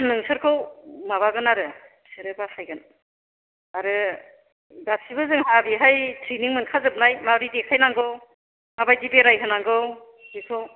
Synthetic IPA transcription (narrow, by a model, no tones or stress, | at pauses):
nɯŋsɯɾkʰɯwmaβaɡɯnaɾɯ | sɯɾɯbakʰajɡɯn | aɾɯ | ɡasibɯzɯŋɦabiɦajtʰɾiniŋmɯnkʰazɯp̚najmaɾidekʰajnaŋɡɯw | mabajdibeɾajɦɯnaŋɡɯw | bikʰɯw